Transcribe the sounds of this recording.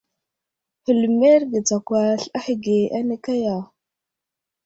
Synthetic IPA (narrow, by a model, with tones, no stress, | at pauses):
hə˨lme˦ɾɡə˨t͡sa˨kʷa˨ɬa˦hi˨ɡe˨ʔa˦nə˦ka˦ja˨